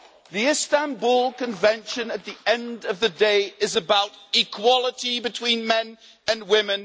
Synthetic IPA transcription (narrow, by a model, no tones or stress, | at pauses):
ðiɪstãnbulˠkə̃ɱvɛ̃nʃə̃nət̪̚ðiɛ̃ndəvðədeɪʔɪzəbaʊtɪkʰw̥ɒlˠətibɨtʰw̥ĩnmɛ̃n | ə̃nwɪmɪ̃n